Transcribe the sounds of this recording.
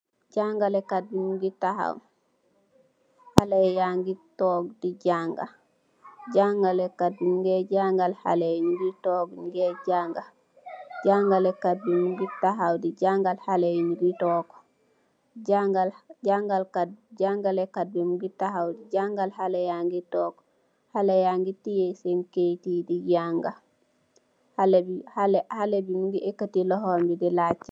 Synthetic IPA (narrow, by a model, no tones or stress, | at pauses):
d͡ʒaŋɡalɛkadːumɡitaha̰w | halɛjaŋɡitɔɡdid͡ʒaŋɡa̰ | d͡ʒaŋɡalɛkadːumɡɛd͡ʒaŋɡalha̰lɛɲɡitɔɡŋɡɛd͡ʒaŋɡal | ɟaŋɡalɛkadumɡitaɦawdid͡ʒaŋɡalhalɛjɲɡitɔːɡ | ɟaŋɡalɟaŋɡalkaɟaŋɡalɛkad̚bimuɡitaɦawdiɟaŋɡalhalajaŋɡitɔːɡ | halejaŋɡitijesemkejtidiɟaŋɡal | halbihalhalebimuɡiʔekːatilɔɦɔɾmbidilat͡ʃːi̥